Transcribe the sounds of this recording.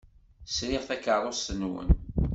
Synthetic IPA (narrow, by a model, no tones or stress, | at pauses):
sɾɪʁθækːərˤosənwə̰n